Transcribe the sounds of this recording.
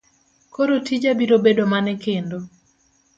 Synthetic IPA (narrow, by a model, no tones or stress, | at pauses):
koɾotʰid͡ʒabiɾobedomanɛkendo